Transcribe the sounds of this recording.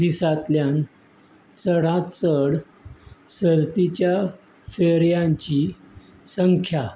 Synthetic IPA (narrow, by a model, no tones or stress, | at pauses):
d̪isat̪ljan | t͡səɽãt̪t͡səɽ | səɾt̪it͡ɕja | feɾjãɲt͡ɕi | səŋkʰja